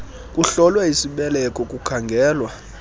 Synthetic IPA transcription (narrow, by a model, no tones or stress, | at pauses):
kʼuɬɔlwɛisiɓɛlɛkʼɔkʼukʰaŋɡʱɛːlwa